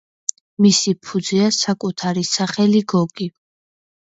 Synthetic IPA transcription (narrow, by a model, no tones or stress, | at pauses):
misipʰud̪ziasakʼut̪ʰaɾisaχɛliɡɔɡʼi